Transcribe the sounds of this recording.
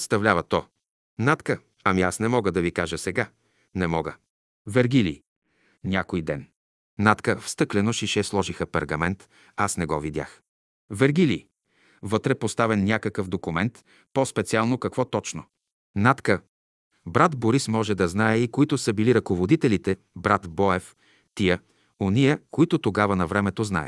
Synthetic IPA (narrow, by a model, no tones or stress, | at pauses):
st̪ɐvlʲavɐt̪ɔ | nat̪kə | ɐmiasnɛmɔɡəd̪ɐvikaʒəsɛɡa | nɛmɔɡə | vɛɾɡilḭ | nʲakojd̪ɛ̰n | nat̪kəfst̪ɤklɛnoʃiʃɛslˠɔʒixəpɛɾɡɐmɛnt̪ | asnɛɡɔvid̪ʲja̰x | vɛɾɡilḭ | vɤt̪ɾɛpost̪avɛnːʲjakəkəfd̪okʊmɛnt̪ | pɔspɛt̪sialˠnokɐkvɔt̪ɔt͡ʃno | nat̪kə | bɾat̪boɾismɔʒɛd̪ɐznaɛikoit̪ʊsəbiliɾɐkovod̪it̪ɛlit̪ɛ | bɾat̪bɔɛf | t̪ijə | onijəkoit̪ʊt̪oɡavɐnɐvɾɛmɛt̪ozna̰ɛ̰